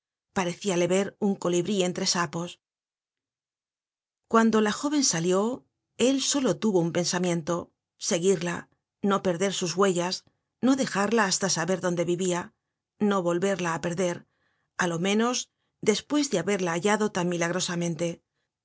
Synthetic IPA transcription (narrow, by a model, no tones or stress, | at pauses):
paɾe̞θiale̞βe̞ɾuŋko̞liβɾie̞nt̪ɾe̞sapo̞s | kwand̪o̞laxo̞β̞e̞nsaljo̞ | e̞lso̞lo̞t̪uβo̞umpe̞nsamjẽ̞nt̪o̞ | se̞ɣiɾla | no̞pe̞ɾðe̞ɾsuzɣwe̞ʝas | no̞ðe̞xaɾlaːst̪asaβe̞ɾðo̞nd̪e̞βiβia | no̞βo̞lβe̞ɾlaːpe̞ɾðe̞ɾ | alo̞mẽ̞no̞z | d̪e̞spwe̞zðeaβe̞ɾlaːʎaðo̞t̪anmilaɣ̞ɾo̞samẽ̞nt̪e̞